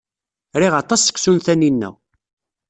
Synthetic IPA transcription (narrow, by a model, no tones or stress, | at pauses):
ɾiʁɑt̪ˤɑsːə̥kːsunθæninːæ̰w